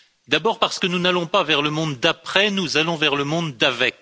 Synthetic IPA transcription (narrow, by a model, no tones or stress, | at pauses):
d̪abɔʁpaʁsə̥kənunalɔ̃pavɛʁləmɔ̃d̪d̪apχɛnuzalɔ̃vɛʁləmɔ̃d̪d̪avɛk